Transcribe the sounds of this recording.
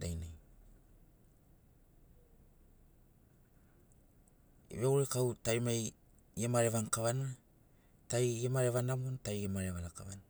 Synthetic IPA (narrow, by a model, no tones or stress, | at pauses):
dajnaj | ḛβeuɾekawtajmaj | ɡemaɾe̞βaŋkaβana | tajɡemaɾeβanamontajɡemaɾeβalakaβana